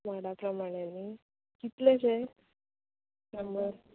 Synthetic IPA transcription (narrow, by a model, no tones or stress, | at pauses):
maɽapɾəmaɽ̃enːi | kit̪leɕe | kamɡəɾ